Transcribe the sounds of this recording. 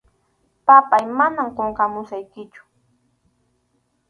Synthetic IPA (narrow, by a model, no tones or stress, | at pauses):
papajmanamqoɴqɑmʊsajkɪt͡ʃʊ̥